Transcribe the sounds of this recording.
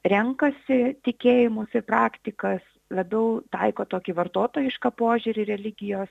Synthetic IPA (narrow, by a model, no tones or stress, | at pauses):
ɾʲɛŋkɐsʲɪt̪ʲɪkʲeːjɪmʊsɪrpɾɑːkt̪ʲɪkɐs | lˠɐbʲɛʊt̪ɐɪkoːt̪oːkʲiʋɐrt̪oːt̪oːjɪʃkɐpoːʒʲuɾʲɪɾʲɛlʲɪɡʲɪjoːs